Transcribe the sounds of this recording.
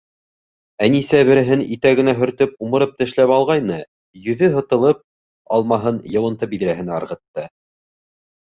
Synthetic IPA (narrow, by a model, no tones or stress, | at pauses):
ænisæβɘ̆ɾɘ̆ɦɘnit̪æɡɘ̆næɦɵ̆ɾt̪ɵp̚umɤ̆ɾɤp̚t̪ɘ̆ʃlæpɑlˠʁɑjnɤ | jɵ̆ðɵɦɤ̆t̪ɤ̆lˠɤp̚ | ɑlˠmɑɦɤnjɤ̆wɤ̆nt̪ɤbiðɾæɦɘ̆næɑɾʁɤ̆t̪ːɤ